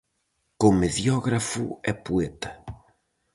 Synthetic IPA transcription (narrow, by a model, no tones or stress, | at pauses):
komeðjɔɣɾafṵɛpuɛt̪ɐ̥